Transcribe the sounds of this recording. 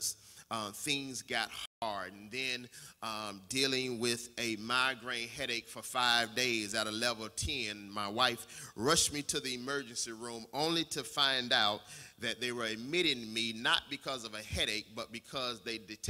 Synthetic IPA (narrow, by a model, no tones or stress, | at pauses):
z̥θɪ̃ŋzɡɑt̚hɑɹdn̩ðɨ̃nʌ̃dilˠɪ̃ŋwɪðɨmaɪɡɹẽɪ̃nɦɛɾeɪkfə˞faɪvdeɪzɨɾəlɛvl̩ˠtʰɛ̃nmaɪwaɪfɹʌʃmiɾɨðiɨmɜ˞d͡ʒɨ̃nsiɹũmõʊ̃nliɾɨfãɪ̃ndaʊt̪̚ðɨt̪̚ðeɪwə˞ɨd̚mɪɾɪ̃ŋminət̚b̥ɨkʰʌzʌvɨhɛɾeɪk̚b̥ʌt̚b̥ɨkʰʌzðeɪdɨtʰ